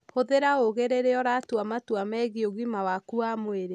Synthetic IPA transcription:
hoðeɾaoɣeɾeɾeɔɾatwamatwamɛɣioɣimawakuamoeɾe

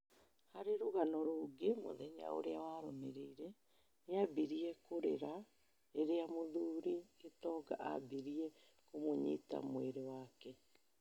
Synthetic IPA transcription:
haɾeɾoɣanɔɾoːɡemo̰ðɛɲa̰o̰ɾeawaɾomeɾeiɾɛ | neabiɾiɛkoɾḛɾa | eɾeamoðuːɾiɣetɔːɡa̰ʔa̰biɾiɛ | komoɲḭta̰mweɾewaːkɛ

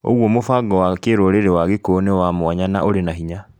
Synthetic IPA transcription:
o̰ɣwɔmofaːɡɔwakeɾoɾeɾewaɣekoːnewamwaɲanaʔoɾenaɦiɲa

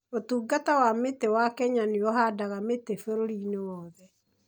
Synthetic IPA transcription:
otuːɡatawametewakɛɲaniɔɦadaɣametefeɾoɾinewɔːðɛ

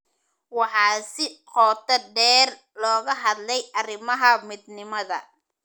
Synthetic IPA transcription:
wɑħɑːsɪqɔːt̪ʰɐɖɛːr | lɔːɣɐɦɑd̪lɛjʔɐrɪmɐɦɐmɪd̪nɪmɐðɐ

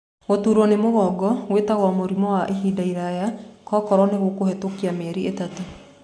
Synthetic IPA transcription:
ɣotuɾwɔnemoɣɔɡɔɣwetaɣwamoɾimɔwaʔeɦidaiɾajakɔkɔɾɔneɣokohɛtokiamɛɾietato

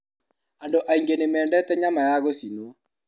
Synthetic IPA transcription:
andoʔaiŋɡenemɛːndɛtɛɲamajaɣosino

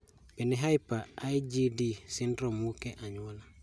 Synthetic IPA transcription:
b̥iniɦajpaajd͡ʒidisindɾomukeʔaɲuwola

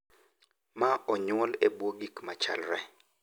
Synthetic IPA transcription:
maɔɲwɔlɛbwoɡikmat͡ʃa̰lɾɛ

